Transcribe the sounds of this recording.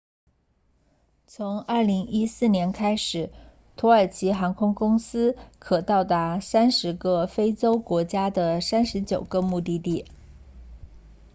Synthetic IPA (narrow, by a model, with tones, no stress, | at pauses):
t͡sʰʊ˧˥ŋɐ˞˥˩li˧˥ŋi˥sɹ̩˥˩njɛ˧˥nkʰa˥ɪʂɻ̩˨˩˦ | t̪ʰwɔ˧˥ə˞˨˩t͡ɕʰi˧˥xa˧˥ŋkʰʊ˥ŋkʊ˥ŋsɹ̩˥kʰɤ˨˩t̪ɑ˥˩ʊt̪a˧˥sa˥nʂɻ̩˧˥ɡə˥˧fe˥ɪt͡so˥ʊkwɔ˧˥t͡ɕja˥d̪ə˨sa˥nʂɻ̩˧˥t͡ɕjo˨˩ʊɡə˧mu˥˧t̪̬i˥˧t̪i˥˩